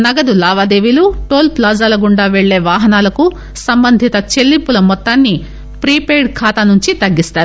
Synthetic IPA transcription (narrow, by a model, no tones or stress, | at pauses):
nɐɡɐd̪ulaːʋaːd̪eːʋiluʈo̞ːlplaːzɐːlɐɡuɳɖaːʋeɭːe̞ːʋaːɦɐnaːlɐku | sɐmbɐnd̪ʱit̪ɐt͡ʃelːipːulɐmɔt̪ːaːnːi | pɾiːpeːɾɖkʰaːt̪ɐnuɲt͡ʃit̪ɐɡːist̪aːɾu